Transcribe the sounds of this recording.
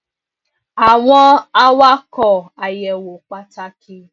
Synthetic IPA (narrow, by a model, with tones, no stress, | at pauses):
a˨wɔ˦a˦wa˦kɔ˨a˨jɛ˨wo˨k͡pa˦ta˦kɪ˦